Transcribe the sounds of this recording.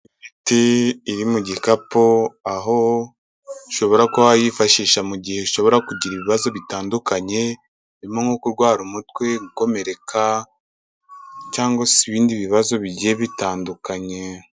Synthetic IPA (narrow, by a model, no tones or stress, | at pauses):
mitiːɾimuɟiekapoaɦo̞ | iʃo̞βo̞ɾakohajifaʃiːʃamuɟihe̞ʃo̞βo̞ɾakuɟiɾiβiβazo̞βitaːndukaɲe̞ | iɾimoŋokuɾɡwaːɾumutwe̞ɡuko̞me̞ɾe̞kʰa | caːŋɡosiβiːndiβiβazo̞βiɟieβitaːndukaɲe̞